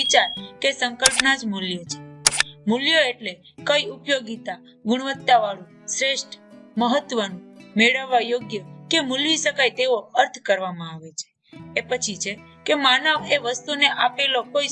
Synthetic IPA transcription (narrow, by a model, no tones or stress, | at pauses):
it͡ʃaɾkesəŋkəlpnad͡ʒmuljət͡ʃʰe̥muljoeʈle | kəiupjoɡit̪a | ɡuɽ̃ʋət̪ːaʋaɭũ | sɾeʃʈʰməɦət̪ʋənũmeɭəʋːajoɡjəkemulʋiʃəkajt̪eoəɾt̪ʰkəɾʋamãaʋet͡ʃʰe̥ː | pət͡ʃʰit͡ʃʰekemanəʋeʋəst̪uneʔapelokoi